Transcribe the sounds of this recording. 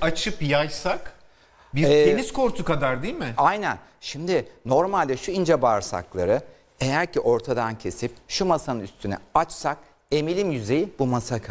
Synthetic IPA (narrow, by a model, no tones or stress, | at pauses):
at͡ʃʰɯpjajsak | biɾɛenizkoɾt̪ʰukad̪aɾd̪ijːlʲmɪajnæn | ʃimd̪ɪno̞ɾmalʲd̪ɛʃuind͡ʒɛbaɾsa̰klˠa̰ɾɯ | e̞jæɾciʔo̞ɾt̪ʰad̪ancʰe̞sip̚ʃumasanɯnyst̪ʰynɛ̰at͡ʃsak̚ | e̞milʲimjyze̞jibumasakʰa